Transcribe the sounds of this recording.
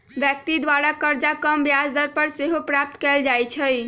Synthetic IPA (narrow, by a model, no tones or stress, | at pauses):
bjək̚t̪id̪ʋaɾakəɾd͡ʒakəmbjasd̪əɾpəɾseɦopɾap̚t̪kɛld͡ʒajt͡ʃʰəj